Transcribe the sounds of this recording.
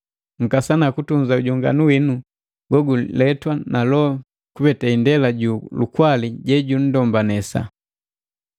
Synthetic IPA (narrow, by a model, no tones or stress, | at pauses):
ŋ̩kasanakutuɲzauɟɔŋɡa̰nuwinu | ɡ̥ɔɡulɛtwanalɔ | kubɛtaindɛlaɟulukwaliɟɛɟun̩dɔmbanɛsa̰